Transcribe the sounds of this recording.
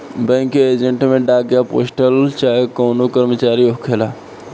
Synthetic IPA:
bɛ̃ŋkeed͡ʒẽɳʈmẽɖaɡjapo̰ːsʈəlt͡ʃaːɦekoːnokəɾmət͡ʃaːɾiokʰela

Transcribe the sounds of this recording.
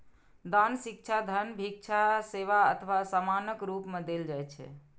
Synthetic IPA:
d̪ansik̚t͡ʃʰad̪ʱənbʱik̚t͡ʃʰaseʋaət̪ʰəʋasamanəkɾupmẽd̪eld͡ʒajt͡ʃʰɛ̰

